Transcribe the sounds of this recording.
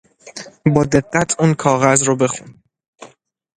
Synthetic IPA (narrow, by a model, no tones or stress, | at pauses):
bɒːd̪e̞ɢːæt̪ʰuːnkʰɒːɣæzɾobe̞xṵn